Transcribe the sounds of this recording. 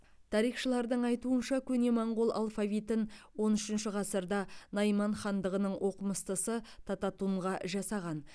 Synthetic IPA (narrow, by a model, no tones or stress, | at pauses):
t̪ʰɑɾijχʃəlˠɑɾd̪əɴɑjt̪uənʃɑkʲʰɵne̞mɑɴʁolˠʔɑ̰lˠfavʲit̪ənwo̞nʏʃɪnʃɪʁɑsəɾd̪ɑnɑjmɑɴχɑnd̪əʁənəɴwʔo̞qəməst̪əsət̪ʰɑt̪ɑt̪uɴʁɑʒɑsɑʁɑn